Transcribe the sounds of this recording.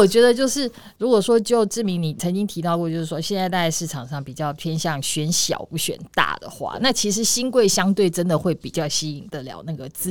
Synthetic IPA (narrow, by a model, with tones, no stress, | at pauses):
ɔ˨˩t͡ɕɥɛ˧˥d̪ə˧t͡ɕjo˥˧ʊʂɻ̩˥˩ | ɻu˧˥kwɔ˨˩ʂwɔ˥t͡ɕjo˥˧ʊʈ͡ʂɻ̩˥˩mi˧˥ŋni˨˩t͡sʰə˧˥ŋt͡ɕi˥ŋt̪ʰi˧˥t̪ɑ˥˧ʊkwɔ˥˧t͡ɕjo˥˧ʊʂ̩˥˩wɔ˥ɕjɛ˥˧nt͡sa˥˧ɪt̪a˥˧t͡ɕa˥˧ɪʂɻ̩˥˩ʈ͡ʂʰɑ˨˩ŋʂɑ˥˩ŋpi˨˩t͡ɕjɑ˥˩ʊp̪ʰjɛ˥nɕjɑ˥˨ŋɕɥɛ˧˥nɕjɑ̰˨˩ʊpu˥˩ɕɥɛ̰˨˩nt̪a̰˥˩d̪ə̰˩xwa̰˥˩na˥˩t͡ɕʰi˧˥ʂɻ̩˧˥ɕi˥nkwe˥˩ɪɕjɑ˥ŋt̪we˥˩ɪʈ͡ʂə˥nd̪ə˨xwe˥˩ɪpi˨˩t͡ɕjɑ˥˩ʊɕi˥i˨˩ŋd̪ə˩ljɑ̰˧˥ʊna˥˩ɡə˩t͡sɹ̩˥